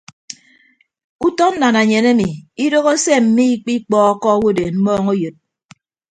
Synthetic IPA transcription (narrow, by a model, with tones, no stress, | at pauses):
u˦tɔ˦n̩˦na˨na˨ɲe˨ne˦mi˨i˦do˦ɣo˦se˦m̩˨mi˦i˦k͡pi˦k͡pɔ˦ɔ˦kɔ˦wo˦˨de˨m̩˦mɔː˦ŋo˦jɨ˨t̚